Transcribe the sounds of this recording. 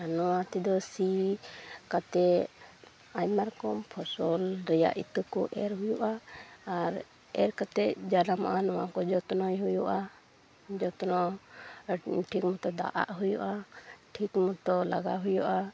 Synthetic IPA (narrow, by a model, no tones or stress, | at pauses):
anɔwãt̪ɛd̪ɔsi | kat̪ɛ | ajmaɾkɔmpʰɔsɔlɾɛja̰ʔḭt̪əkɔʔɛɾɦujuʔaː | ɾ | ɛɾkat̪ɛd͡ʒalamaʔanɔwa̰kɔd͡ʒɔt̪nɔjɦujuʔa | d͡ʒɔt̪nɔ | ʈʰikmɔt̪ɔd̪a̰ʔa̰ʔɦujṵʔaʈʰikmɔt̪ɔla̰ɡaɦujuʔa